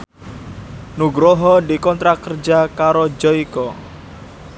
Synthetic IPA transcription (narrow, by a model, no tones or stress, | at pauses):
nuɡɾoɦɔdikɔnt̪ɾakərd͡ʒakaɾod͡ʒɔikɔ